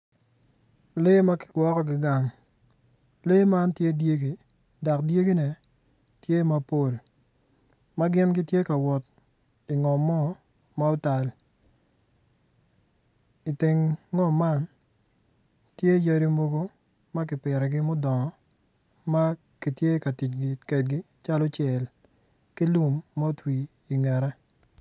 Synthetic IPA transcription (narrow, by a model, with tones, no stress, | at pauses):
le˦ma˦kɪ̥˨ɡ̥wɔ˦kɔ˦ɡɪ˨ɡa˨ŋ | le˦ma˦ntje˦dje˦ɡi˨ | da˨kdje˦ɡi˦nɛ˨ | tje˦ma˨po˦˨l | ma˦ɡɪ˦nɡɪ˦tje˦ka˨wɔ˨t̚ | i˨ŋɔ˨mːɔ˦ | ma˦ʊ˦ta˨l | i˨ti˨ŋːɔ˦˨ma˦n | tje˦ja˦ɾi˦mo˦ɡo˦ | ma˦k̬ɪ˨pɪ˨ɾɛ˨ɡɪ˦mʊ˦dɔ˨ŋɔ˨ | ma˦ | ki˨tje˦ka˨ti˨t͡ʃɡɪ˨kɛ˨d̚ɡɪ˦ | t͡ʃa˦lɔ˦t͡ʃjɛ˨l | ki˦lu˨mːa˦o˦twiː˨ | ŋɛ˨ɾɛ˦